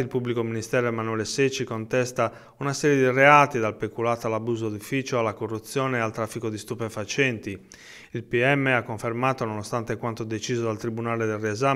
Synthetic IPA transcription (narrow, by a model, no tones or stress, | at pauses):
ilpublikominist̪ɛːɾoɛmanuɛːleset͡ʃːikont̪ɛst̪a | unasɛːɾjed̪ireaːt̪id̪alpekulaːt̪alabuːzod̪ufiːt͡ʃoalːakorːut̪sːjɔːnealt̪ɾafːikod̪ist̪upefat͡ʃɛnt̪i | ilpiɛmːeakːoɱfermaːt̪ononost̪ant̪ekwant̪od̪et͡ʃiːzod̪alt̪ɾibunaːled̪elrːiɛza